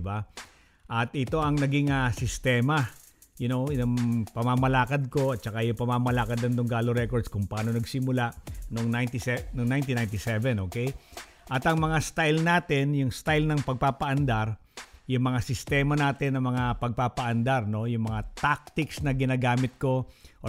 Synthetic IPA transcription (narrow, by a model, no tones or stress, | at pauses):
ba | ʔɐt̪ʔɪt̪o̞ʔɐŋnɐɡɪŋɐsɪst̪ɛmɐ | jʊno̞nɐŋpɐmamɐlaːkɐd̪̚ko̞ɐt̪̚t͡ʃɐkajʊŋpɐmamɐlaːkɐd̪ɐnd̪ʊŋɡaːloɾɛkoɹd̪skʊŋpɐʔaːno̞nɐɡsɪmʊlaʔnoŋnajnt̪ɪsɛnoŋnajnt̪inajnt̪ɪsɛvɛnʔoːkɛj | ʔɐt̪ɐŋmɐŋast̪ajlnaːt̪ɛnjʊŋst̪ajlnɐŋpɐɡ̚paːpɐʔɐnd̪aɾ | jʊŋmɐŋasɪst̪ɛːmɐnaːt̪ɪnːɐmɐŋapɐɡ̚papɐʔɐnd̪aɾno̞jʊŋmɐŋat̪ak̚t̪ɪksnɐɡɪnaɡaːmɪt̪̚ko̞ʔ